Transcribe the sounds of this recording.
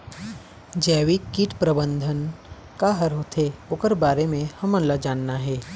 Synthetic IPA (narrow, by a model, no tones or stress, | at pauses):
d͡ʒɛːʋikiʈpɾəbə̃nd̪ʱən | kaɦɐɾɦoːt̪ʰeokəɾbaːɾemẽhɐmənlad͡ʒaːnːaɦɛː